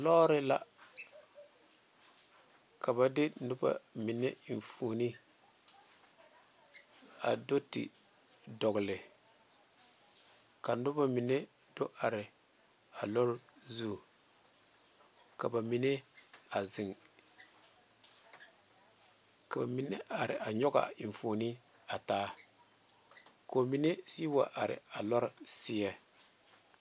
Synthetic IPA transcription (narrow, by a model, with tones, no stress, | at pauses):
lɔ˦ɾɪ˦la˨ | kʰa˨ba˨dɪ˦nʊ˦ba̰˨mɪ˨nɛ˦˨ɱ˨fu˨ni˦ | a̰˨do˦tɪ̰˨ | dɔ˨ɡɪ˨lɪ˨ | ka˨nʊ˦ba˨mɪ˨nɛ˦ | do˦ʔa˨ɾɪ˨ | a˨lɔ˦ɾzu˦˨ | ka˨ba˨mi˦ne˦a˨zɪ˨ŋ | ka˨ba˨mi˦ne˦a˨ɾɪ̰˨ʔa˨ɲɔ˦ɡa̰˨ɪ˨ɱ˨fo˨ni˦ | a˨taː˦ | ko˨mi˦ne˦si˦wa˨ʔa˨ɾɪ̰˨a˨lɔ˦ɾsɪ˦ɛ˦